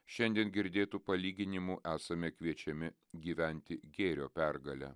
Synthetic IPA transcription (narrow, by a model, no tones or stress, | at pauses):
ʃʲɛnʲd̪ʲiɛnɡʲɪɾʲd̪ʲeːt̪uːpɐlʲiːɡʲɪnʲɪmuʔæːsɐmʲɛkʋʲiɛt͡ʃʲɛmʲɪ | ɡʲiːʋʲɛnʲt̪ʲɪɡʲeːɾʲoːpʲæɾɡɐlʲæ̰ː